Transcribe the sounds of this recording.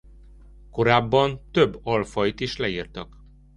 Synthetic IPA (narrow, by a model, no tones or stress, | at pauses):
ko̞ɾaːbːɒnt̪øbːɒlfɒjit̪iʃlɛirt̪ɒk